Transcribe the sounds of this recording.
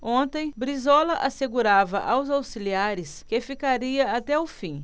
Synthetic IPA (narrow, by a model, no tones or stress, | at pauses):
õnt̪ẽj̃bɾizɔlɐʔaseɡuɾavɐʔawzawsiliaɾɪskɪfikaɾiɐat̪ɛʊfĩ